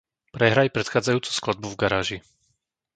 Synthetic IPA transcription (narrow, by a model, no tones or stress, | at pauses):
pɾɛɦɾajpɾɛt̪xaːd͡zajuːt͡su̥sklad̪̚buvɡaɾaːʒi